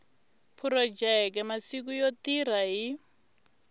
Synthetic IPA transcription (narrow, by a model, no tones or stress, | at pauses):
pʰuɾɔd͡ʒɛk̬ɛmasik̬ujotiɾaɦi